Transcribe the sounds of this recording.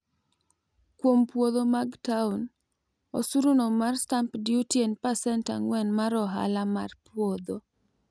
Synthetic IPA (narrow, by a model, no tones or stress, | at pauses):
kwompwod̪omaɡtaun | osuɾunomarstampdɪutjenpasɛnta̰ŋwɛnmaɾɔɦa̰lama̰rpwod̪o